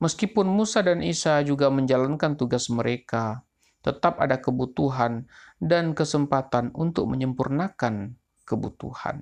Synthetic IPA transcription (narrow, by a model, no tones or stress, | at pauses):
məskipʊnmusadanisad͡ʒuɡaməɲd͡ʒalankant̪uɡasməɾʔeka | t̪ət̪apa̰dakəbut̪uɦandankəsəmpat̪anunt̪ʊ̰k̚məɲəmpurnakan | kəbṵt̪ṵha̰n